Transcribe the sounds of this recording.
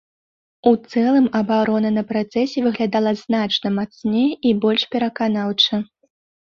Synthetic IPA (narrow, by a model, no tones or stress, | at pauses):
ut̪sɛlˠɨmɐbaɾɔnɐnɐpɾat̪sɛsʲɛvɨɣlʲad̪alˠɐznat͡ʂnɐmat̪snʲɛibɔlʲʂpʲɛɾɐkan̪awt͡ʂɐ